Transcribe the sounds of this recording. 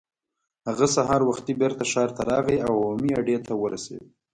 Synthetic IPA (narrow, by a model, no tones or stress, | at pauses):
haɣasaɦɑɾwaxt̪ibeɾt̪aʃɑɾt̪aɾɑɣiawamiaɖet̪awəɾa̰sḛwi